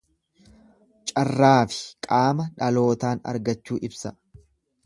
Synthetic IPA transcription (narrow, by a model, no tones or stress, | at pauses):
t͡ʃʼɐrːaːfɪ̥kʼaːmɐᶑɐlo̞ːt̪aːnɐ̰ɾɡɐt͡ʃːuːʔɪbsɐ